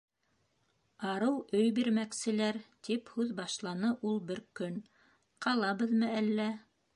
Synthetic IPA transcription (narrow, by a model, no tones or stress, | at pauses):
ɑɾɤwɵjbiɾmæksɘ̆læɾt̪iphʉðbɑʃlˠɑnɤʔulˠbɘɾkɵn | qʰɑlˠɑβɤðmɤælːæ